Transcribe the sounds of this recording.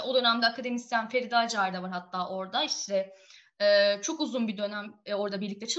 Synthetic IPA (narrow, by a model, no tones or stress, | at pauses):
o̞d̪ø̞næmd̪ɛakʰad̪e̞mist̪janfeɾid̪ad͡ʒaːɾid̪avaɾɦat̪ʰːaːʔo̞ɾd̪aiʃt̪ʰɛ | ɛːt͡ʃʰo̞kuzunbid̪ø̞næmɛo̞ɾd̪abiɾlʲict̪ʰɛt͡ʃʰɯ